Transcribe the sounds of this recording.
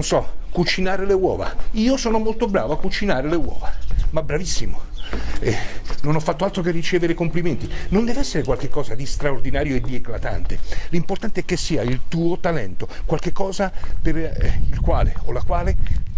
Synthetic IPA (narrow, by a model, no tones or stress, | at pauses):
onsɔkːut͡ʃinaːɾelewɔ̰ːva̰iːosɔːnomolt̪obɾaːvoakːut͡ʃinaːɾelewɔ̰ːvamabɾavisːimoɛnonɔfːat̪ːoalt̪ɾokerːit͡ʃeːveɾekompliment̪inond̪ɛːveɛsːeɾekwalk̟ekːɔːzad̪ist̪ɾaord̪inaːɾjoed̪ːieklat̪a̰nt̪elimport̪ant̪eɛkːesːiːailt̪uːot̪alɛ̰nt̪okwalk̟ekːɔːzaperɛilkwa̰ːleolakwaːle